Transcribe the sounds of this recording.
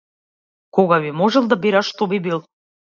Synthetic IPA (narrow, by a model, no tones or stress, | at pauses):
koɣaβimoʒəlˠd̪abiɾʲaʃt̪obibilˠ